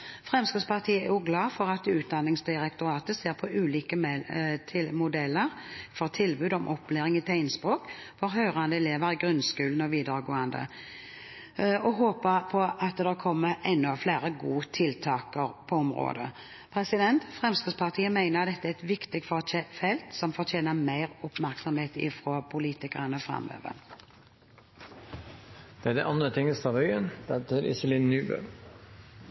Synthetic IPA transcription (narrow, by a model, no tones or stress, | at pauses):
fʁɛmskəspɑʁt̪ʰiːəæjʊɡlɑːfɔʁɑt̪ʉːt̪̚d̪ɑnɪŋsd̪ɪʁɛkt̪ʊɾɑːt̪əseːʁpʰɔʉːliːkəmt̪ʰɪlmʊd̪ɛlːəʁfɔʁt̪ʰɪlbʉːd̪ɔmʔɔpːleːʁɪŋɪt̪ʰæɪnspʁoːk | fɔʁɦœʏʁɑnd̪əɛleːʋəɾɪɡʁʉnskʉːln̩ɔʋiːd̪əɾəɡoːɑnd̪ə̰ | ɔɦoːpəpʰɔʔɑt̪̚d̪ɛʁkʰɔmːəʔɛnːɔfleːɾəɡuːt̪ʰɪlt̪ʰɑːkəɾpʰɔɔmɾo̰ːd̪ə̰ | pʰɾɛsɪd̪ɛnt̪fʁɛmskəɡ̪spɑʁt̪ʰiːəmæɪnəʁt̪d̪ɛt̪ːæɛt̪ʋɪkt̪ɪɡ̚t̪fɔfɛlt̪sɔmfɔʁt̪ʰeːnəmæɪʁʊpmæɾksɔmheːt̪ɪ̰fɾoːpʰʊliːt̪ɪkəʁənəɔfʁɑ̰mø̰ːʋə̰ | d̪̥ɛæd̪ɛʔɑnd̪ɾət̪ʰɪŋəst̪ɑʋœʏənd̪̥ɛt̪ʰɪɾɪ̰səlɪnːyːbœ̰